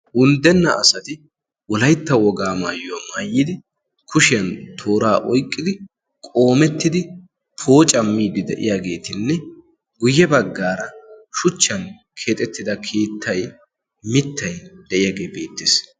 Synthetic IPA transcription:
ʔʊnd̪ɛnːɐʔɐsɐt̪ɪ | wɔlɐjt̪ːɐwɔɡaːmaːjʊɐmaːjːɪd̪ɪ | kʰʊʃɪjɐnt̪ʰo̞ːɾaːʔɔjkʼːɪd̪ɪ | kʼo̞ːmɛt̪ːɪd̪ɪ | pʰo̞ːt͡ʃʼɐmːiːd̪ɪd̪ɛ̰ʔɪ̰jaːɡe̞ːt̪ɪnːɛ | ɡʊjːɛbɐɡːaːɾɐʃʊt͡ʃːɐn | kʰe̞ːt̪ʼɛt̪ːɪd̪ɐkʰeːt̪ʰːɐj | mɪt̪ʰːɐjd̪ɛʔɪjaːɡe̞ːbe̞ːt̪ːɪs

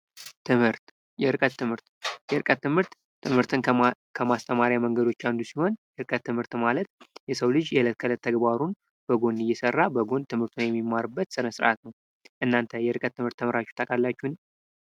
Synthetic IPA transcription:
t̪ʰɨmhɨɾt̪ | jɛɾɨkʼət̪ːɨmhɨɾt̪jɛɾɨkʼət̪ːɨmhɨɾt̪ː | ɨmhɨɾt̪ʰɨn | kʰəmast̪ʰəmaɾjaməŋɡəd̪ot͡ʃːand̪usiho̞njɛɾɨkʼət̪ːɨmhɨɾt̪malət̪jɛsəwlɨd͡ʒjɛɨlət̪̚kʰələt̪ʰːəɡbaɾun | b̥əɡo̞nɨjːɛsərːabəɡo̞nt̪ʰɨmhɨɾt̪ʰunjɛmːimːaɾɨbːət̪sɨɾəsɾa̰t̪nəw | ʔɨnːant̪ʰəjɛɾɨkʼət̪ːɨmhɨɾt̪ʰːɨmɨɾat͡ʃːɛu̥t̪ʰəkʼalːat͡ʃːɛn

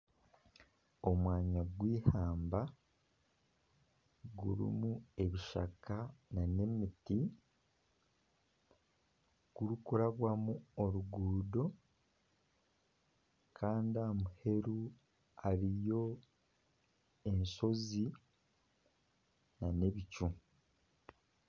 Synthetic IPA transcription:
o̞mwaːɲaɡwiːhaːmba | ɡuɾḭmue̞βiʃa̰kanane̞miti | ɡ̥uɾukuɾaβwamuoɾuɡuːdo̞ | kʰaːndiamuhe̞ɾu | aɾijo̞ | e̞nso̞zi | nane̞βicu

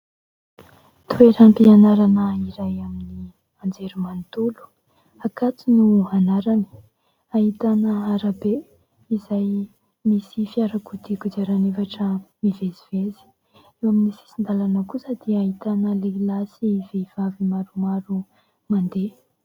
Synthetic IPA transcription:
t̪ueɾampianaɾanəiɾajamini | and͡zeɾumant̪ulu̥ | akat͡sunuanaɾani̥ | aɦit̪anəaɾabe | izaj | misifiaɾakud̪ikud̪aɾanevaʈ͡ʂəmivezivezi̥ | ewaminisi̥sind̪alanəkusəd̪̥iaɦit̪anəlelasiveiv̥avimaɾumaɾu | mand̪e

